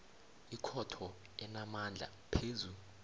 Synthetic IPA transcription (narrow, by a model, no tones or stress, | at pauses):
ikʰɔtʰɔ | ɛnamand͡ɮʱa̰ | pʰeːzu